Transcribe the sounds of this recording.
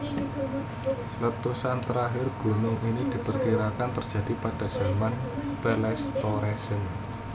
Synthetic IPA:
lət̪usant̪əɾaɦɪrɡ̥ṳnʊŋinid̥i̤pərkiɾakant̪ərd̥d͡ʒ̥ä̤d̥i̤pad̥a̤z̥amanpɛlɛst̪ɔɾɛsən

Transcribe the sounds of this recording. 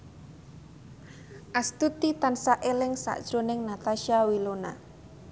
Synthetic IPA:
ʔast̪ut̪it̪ansaʔelɪŋsa̰ʔd̥ʒ̥ɾonɪŋnat̪aʃiawilona̰

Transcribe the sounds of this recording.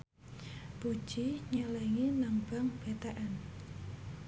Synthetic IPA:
b̥ud̥ʒ̥iɲəlɛŋinaŋb̥aŋb̥et̪aʔan

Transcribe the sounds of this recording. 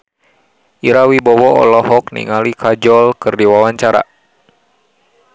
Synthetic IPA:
ʔiɾawibɔwɔɔ̰lɔhɔknḭŋalikʰad͡ʒɔlkɨrdiwawaɲt͡ʃaɾa̰

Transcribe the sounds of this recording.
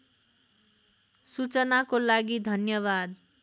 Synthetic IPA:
sut͡sʌnakolaɡid̪ʱʌnjʌβad̪

